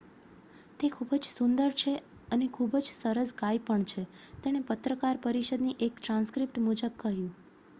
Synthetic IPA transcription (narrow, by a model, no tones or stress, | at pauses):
t̪ekʰubd͡ʒsund̪əɾt͡ʃʰe | ənekʰubd͡ʒsəɾəsɡajpəɳt͡ʃʰet̪eɽ̃epət̪ɾəkaɾpəɾiʃəd̪niʔekʈɾãnskɾipʈmud͡ʒəb̚kəɦjũ